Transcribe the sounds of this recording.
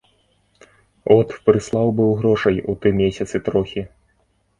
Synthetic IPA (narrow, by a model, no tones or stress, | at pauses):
ɔt̪pɾɨslˠawbɨwɣɾɔʂɐjut̪ɨmʲesʲɐt̪sɨt̪ɾɔxʲi